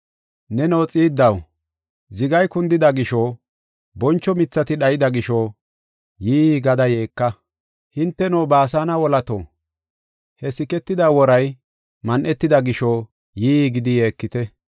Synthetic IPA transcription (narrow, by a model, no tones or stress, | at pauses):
nɛnot͡sʼiːd̪ːɐw | zɪɡɐjkʊnd̪ɪd̪ɐɡɪʃo | bɔnt͡ʃːɔmɪt͡sːɐt̪ɪɗɐjɪd̪ɐɡɪʃo | jiːɡɐd̪ɐje̞ːkːɐ | hɪnt̪ːɛnoːbaːs̬aːnɐwɔlɐt̪o̰ | hɛsɪkɛt̪ːɪd̪awɔɾɐj | mɐnʔɛt̪ːɪd̪ɐɡɪʃo | jiːɡɪd̪ɪje̞ːkːɪt̪ɛ